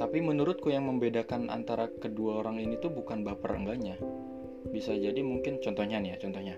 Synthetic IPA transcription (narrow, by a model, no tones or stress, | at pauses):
t̪apimənuɾʊt̪̚kujaŋməmbedakanʔa̰nt̪aɾakəduaoɾaŋinit̪ubukanbapərə̰ŋɡaɲa | bisad͡ʒadimuŋkɪnt͡ʃɔnt̪ɔhɲanijat͡ʃɔnt̪ɔhɲa